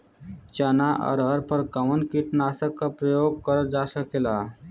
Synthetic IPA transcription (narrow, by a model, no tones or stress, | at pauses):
t͡ʃanaʔə̰ɾɦəɾpəɾkəmənkiʈnasəkːapɾəjoɡ̚kəɾəd͡ʒasəkela